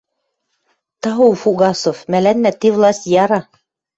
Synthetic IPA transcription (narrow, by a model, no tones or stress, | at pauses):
t̪ɑuwfuɡɑsofmælænːæt̪ivlˠɑsʲt̪ʲjɑɾɑ